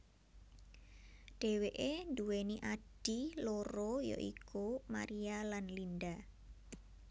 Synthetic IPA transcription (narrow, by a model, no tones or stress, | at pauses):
ɖ̥e̤weʔenduweniʔaɖ̥iloɾojo̰ʔḭkuma̰ɾialanlinda